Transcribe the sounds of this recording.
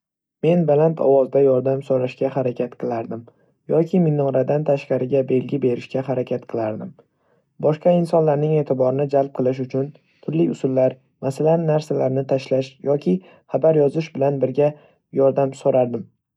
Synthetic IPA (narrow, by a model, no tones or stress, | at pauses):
me̞nbalant̪ʰɒ̰wɒzd̪ajɒɾd̪amsoɾaʃkʲahaɾakʲʰat̪qʰɨlˠaɾd̪ɪm | jɒkʲʰɪmɪnɒŋɾad̪ant̪ʰaʃqɑɾɪɡʲabe̞lɡʲɪbe̞ɾɪʃkʲaɦaɾakʲʰat̪qʰɨlˠaɾd̪ɪm | bɒʃqɑɪnsɒnlaɾnɪŋe̞ːt̪ʰɪbɒɾɪnɪd͡ʒalˠp̚qʰɨlˠɪʃ̬ʊt͡ʃʰʊn | t̪ʰʊɾlɪʊsʊlːaɾ | masalanːaɾsalaɾnɪt̪ʰaʃlaʃjɒkʲʰɪ | habaɾjɒzɪʃbɪlanbɪɾɡʲa | jɒɾd̪amsoɾaɾd̪ɪm